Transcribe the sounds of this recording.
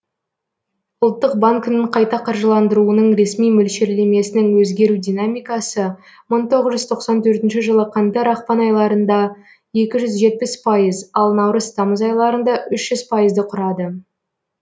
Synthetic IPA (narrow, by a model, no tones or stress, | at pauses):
ʊlˠt̪ːəq̚baŋkɪnɪɴqʰɑjt̪ɑqʰɑɾʒəlˠɑnd̪əɾuənəɴɾe̞smijmɵlʃeɾleme̞sɪnɪŋwɵzɡʲe̞ɾud̪ʲijnamijkɑsə | məɴt̪ʰo̞ʁəzʒʏz̥t̪ʰo̞qsɑnt̪ʰɵɾt̪ɪnʃɪʒəlˠəqʰɑnt̪ɑɾɑχpɑnɑjlˠɑɾənd̪ɑ | je̞kʲɪʒʏzʒe̞t̪̚pɪspʰɑjəzɑlˠnɑwɾəzt̪ʰɑməzɑjlˠɑɾənd̪ɑʔʏʃʒ̥ʏzpʰɑjəzd̪əqʰʊɾɑd̪ə